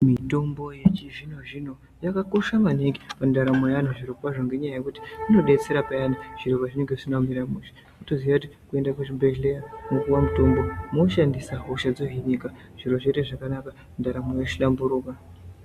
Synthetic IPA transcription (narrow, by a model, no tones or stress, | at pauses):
mito̞mbo̞jet͡ʃiʐino̞ʐino̞ | jakako̞ʃamaneɡipandaɾamojan̤oʐiɾopaʐoŋɡe̞ɲajajekuti̥kuno̞ɗe̞t͡se̞ɾapajanaʐ̥iɾoβaʐine̞ŋɡeʐsinamiɾamuʃi̥ | motoziakuti̥kue̞ndakuʃibʱelejamokuwamuto̞mbo̞moʃandisaɦoʃad͡zo̞ɦinika | ʐ̥iɾo̞ʐeɾeʐakanaka | ndaɾamo̞jeʃiɗambuɾuːka